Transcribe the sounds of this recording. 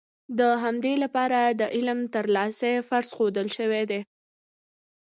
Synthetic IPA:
d̪əɦamd̪elapɑɾad̪əʔɪlmt̪əɾlɑsefaɾz̥xod̪əlʃəwed̪e

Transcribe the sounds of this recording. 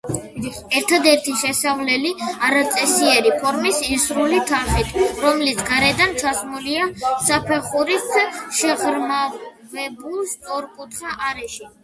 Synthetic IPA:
ɛɾt̪ʰad̪ɛɾt̪ʰiʃɛsavlɛliaɾat̪sʼɛsiɛɾipʰɔɾmisisɾulit̪ʰaχit̪ʰɾɔmlit̪sʰɡaɾɛd̪ant͡ʃʰasmuliasapʰɛχuɾisʃɛʁɾma | vɛbulˠst̪ʼɔɾkʼut̪ʰχaʔaɾɛʃi

